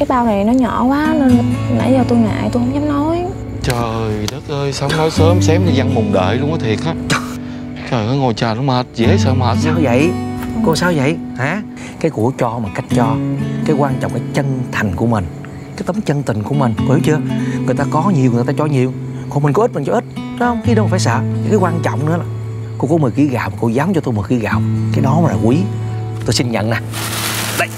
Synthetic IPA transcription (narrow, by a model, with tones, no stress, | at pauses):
kaː˨˦jɓaː˧wna˨˩jnɔ˨˦ɲɔ̰˧˩˨kwaː˨˦ne˧n˨na̰˧˩˥jaː˨˩t̪u˧jŋa̰ː˧˨jt̪hʊ̰˧˥˦ŋ͡mɲa˨˦mnɔ˨˦j | t͡ɕəː˨˩jɗəː˦˥t̚ʔəː˧jsa˨˦wŋ͡mnɔ˨˦jsəː˨˦msɛ˨˦mi˨˧za˧ŋmʊ˨˩ŋ͡mɗə̰ː˧˨jlʊ˧˦ŋ͡mʔəː˨˦t̪ʰi˨˩ək̚haː˨˦ | t͡ɕəː˨˩jkəː˨˦ŋo˨˩jt͡ɕaː˨˩la˨˧˦ŋ͡mhəː˨˩t̚zɛ˧˨e˦səː˧mhəː˨˩t̚saː˧wvə̰˧˨jko˧˦saː˧wvə̰˧˨j | haː˨˩˦ | kaː˨˦jkṵ˧˩ət͡ɕɔ˧maː˨˩ka˦˥jk̟̚t͡ɕɔ˧kaː˨˦jkwaː˧nt͡ɕɔ̰˧˨ŋ͡mkaː˨˦jt͡ɕə˧nt̪ʰa˨˩ŋ̟kṵ˧˩əmï˨˩ŋ̟ | kaː˨˦jt̪ə˨˦mt͡ɕə˧nt̪ï˨˩ŋ̟ku˧˩əmï˨˩ŋ̟ko˧˩hi˨˦t͡ɕɨ˧əŋɨ˨˩jt̪aː˧kɔ˨˦ɲi˨˩əwt̪aː˧t͡ɕɔ˧ɲi˨˩əw | kɔ˨˩mï˨˩ŋ̟kɔ˧˦i˦˥t̚mi̟˨˩t͡ɕɔ˧ʔi˦˥t̚ɗo˨˦hə˧wŋ͡mxi˧˦ɗə˧˨˩fːsə̰ː˧˨a˨˩kaː˨˦jkwaː˧nt͡ɕɔ̰˧˨wŋ͡mnɨ̰˧˥ə˦laː˨˩ | ko˧kɔ˨˦mɨ˨˩ɣi˧˦ɣaː˨wmaː˨˩ko˧˩zaː˨˦mt͡ɕɔ˧t̪o˧jmɨ˨˩ɣi˧˦ɣa̰ː˨˩wkaː˨˦jɗɔ˨˦a˨˦laː˨˩kwi˨˦ | t̪o˧jsi˧nɲə̰˧˨nnaː˨˩ | ɗə˧˩j